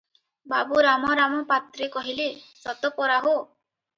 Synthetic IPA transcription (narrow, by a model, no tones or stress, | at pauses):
babuɾamɔɾamɔpat̪ɾekɔɦilesɔt̪ɔpɔɾaɦo